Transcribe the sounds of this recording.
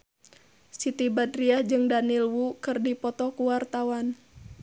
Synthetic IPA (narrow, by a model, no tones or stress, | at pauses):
sit̪ibadriahd͡ʒɨŋdanilwukɨrdipɔt̪ɔkuwart̪awan